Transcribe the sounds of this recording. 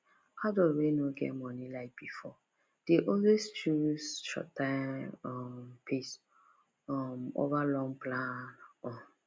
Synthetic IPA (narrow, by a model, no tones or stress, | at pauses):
haʊdoɹenoɡɛ̰tmɔ̃nilaɪk̚b̥ifɔ | d̥eʔɔlwest͡ʃusʃɔ̰tːãɪɔmpʰis | ɔmo̰valɔ̃ŋplãnnɔ̃